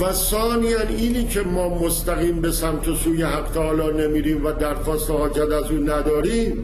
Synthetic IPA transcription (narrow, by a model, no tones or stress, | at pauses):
væsɒːnijæniːniːcʰemɒːmost̪æɣiːmbe̞sæmt̪ʰe̞suːjeɦæɡt̪ʰeɒːlɒːne̞miːɾiːmvæd̪æɾxɒːst̪ehɒːd͡ʒæt̪æzuːnæd̪ɒːɾiːm